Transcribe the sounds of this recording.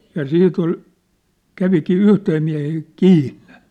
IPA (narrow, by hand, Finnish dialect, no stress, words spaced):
jɑ sit ol kæʋikiː yhteː miæ̝heː kiːnːe̥